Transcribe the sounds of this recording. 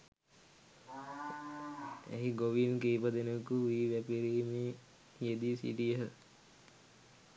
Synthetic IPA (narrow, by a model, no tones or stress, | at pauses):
æ̰ɦiɡoʋinkeipad̪enəkuʋiːʋæpiɾiːmeː | ijed̪isḭʈiəɦə